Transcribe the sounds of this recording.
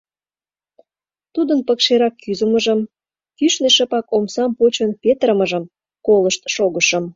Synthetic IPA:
t̪ud̪ənpəkʃeɾɑkːyzəməʒəm | kyʃneʃəpɑkomsɑmpot͡ɕənpet̪əɾəməʒəm | koləʃt̪ʃoɣəʃə̆m

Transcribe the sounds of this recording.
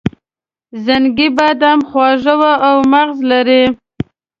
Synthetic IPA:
zaŋɡibad̪amxwɑʒəwaʔawmaɣzlaɾi

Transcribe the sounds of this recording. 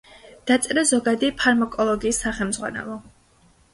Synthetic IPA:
d̪̥at̪sʼɛɾazɔɡad̪ipʰaɾmakʼɔlˠɔɡiːsːaχɛlmzʁwa̰nɛ̰lˠɔ

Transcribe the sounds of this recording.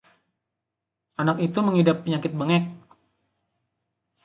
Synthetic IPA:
ʔanakit̪uməŋidapːəɲaŋkɪt̪̚bəŋɛk̚

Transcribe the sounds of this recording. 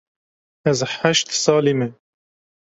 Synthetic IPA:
ɛzħaʃt̪sɑːlimɛ

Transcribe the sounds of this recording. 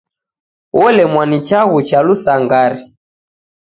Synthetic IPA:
wɔlɛmwanit͡ʃaɣut͡ʃalusaŋɡaɾi

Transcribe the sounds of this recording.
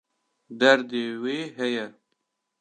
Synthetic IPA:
d̪ɐɾd̪eweɦɐjɐ

